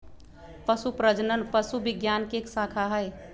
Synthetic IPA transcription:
pəsupɾəd͡ʒnənpəsubɪɡjankeksakʰaɦəj

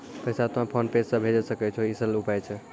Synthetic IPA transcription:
pəjsat̪oɦãpʰənpessə̃bʱed͡ʒəsəkɛt͡ʃʰoisəlupajt͡ʃʰɛ

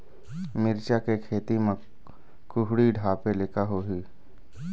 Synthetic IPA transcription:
mɪɾt͡ʃakekʰeːt̪imə̃ | kʊɦɽiɖʱaːpelekaɦoːɦiː

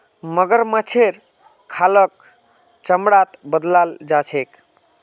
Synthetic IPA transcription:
məɡəɾmat͡ʃʰeɾ | kʰːalək̚ | t͡ʃəmɽat̪bəd̪lald͡ʒat͡ʃʰek

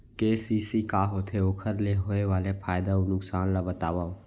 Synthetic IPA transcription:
keːsiːsikaːɦoːt̪ʰeoːkʰəɾleɦoːeʋaːlepʰaːjd̪aonʊksaːnlabət̪aːʋaːo

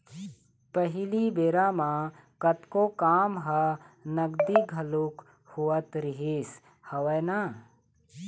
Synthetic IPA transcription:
pəɦɪlibeːɾaːmã | kɐt̪kokaːmɦɐnɐɡd̪iɡʱɐluk | huwət̪ɾɪɦes | hɐʋəjna

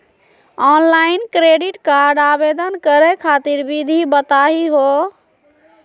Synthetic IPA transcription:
ɔnlainkɾeɖiʈkaɾɖabed̪ənkəɾɛkʰat̪iɾbid̪ʱibət̪aɦiɦo

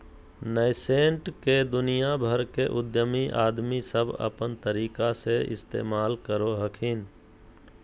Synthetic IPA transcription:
nəɪseːɳʈked̪ʊnijabʱəɾkeʔʊd̪jəmiʔa̰ːd̪misəbʱə̰pənt̪əɾiːkaseɪ̰st̪ḛːmaːlkəɾoɦəkʰɪn

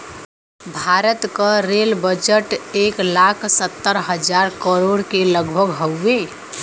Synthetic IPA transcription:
bʱaɾət̪kəɾelbəd͡ʒəʈeːklakʰsət̪ːəɾɦəd͡ʒaɾkəɾoɽkeləɡbʱəɡɦəːe

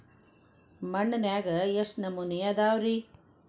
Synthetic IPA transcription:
mɐɳːɐnjaːɡɐjɐsnɐmːunijad̪aːwɾi

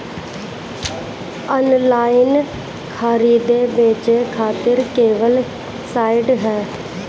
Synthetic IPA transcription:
ənlaːɪn | kʰaːɾiːd̪eːbeːt͡ʃeːkʰaːt̪ɪɾkeːʋəl | saːɪɖɦɛː

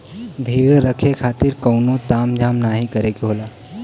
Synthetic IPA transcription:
bʱiːɭɾəkʰekʰaːt̪ɪɾkəːnot̪aːmd͡ʒʱaːmnaɦikəɾeɡiɦoːlaː

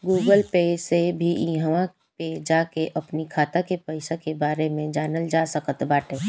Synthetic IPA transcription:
ɡuːɡəlpeːsebʱiɦʋã | ked͡ʒaːkeʔɐpnikʰaːt̪akepəɪsakebaːɾemẽd͡ʒaːnəld͡ʒaːsəkət̪baːʈeː

